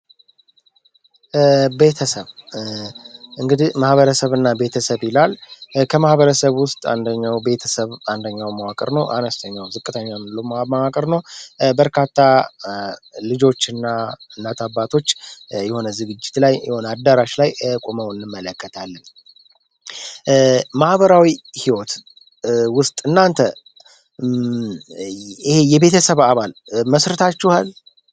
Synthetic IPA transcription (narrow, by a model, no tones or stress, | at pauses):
be̞t̪ʰəsəβ | ʔɨŋɡɨd̪imahβəɾəsəβɨnːabe̞t̪ʰəsəβɪlalkʰəmahβəɾəsəβwʊst̪ʼa̰nd̪əɲːawbe̞t̪ʰəsəβand̪əɲːawmawakʼəɾnəwʔanəst̪ʰəɲːawzɨkʼːɨt̪ʰəɲːamɨlːəwmamawakʼəɾnəwbəɾkʰat̪ʰːa | lɨd͡ʒo̞t͡ʃːɨnːaɨnːat̪ʰabːat̪ʰo̞t͡ʃːjɛho̞nəzɨɡɨd͡ʒːɪt̪lajjɛho̞nəad̪aɾaʃlajkʼoməwɨnːɨmːələkːət̪ʰalːən | mahbəɾawihiwɔt̪ | wʊst̪ʼɨnːant̪ʰə | ihe̞jɛβe̞t̪ʰəsəβaβalməsɾɨt̪ʰat͡ʃːuhal